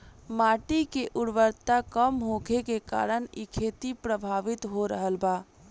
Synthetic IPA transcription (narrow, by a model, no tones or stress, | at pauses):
maːʈikeʔʊɽʋəɾt̪akəmɦoɡʰekeka̰ːɾənikʰeːt̪ipɾəbʱaːʋɪt̪ɦoɾəɦəlbaː